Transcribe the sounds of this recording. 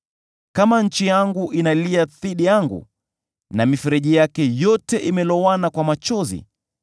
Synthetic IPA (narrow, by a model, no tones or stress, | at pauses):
kamaɲ̩t͡ʃijaŋɡuʔinaliaθiɗijaŋɡṵ | namifɛɾɛʄijakɛjɔtɛʔimɛlɔwanakwamat͡ʃɔzḭ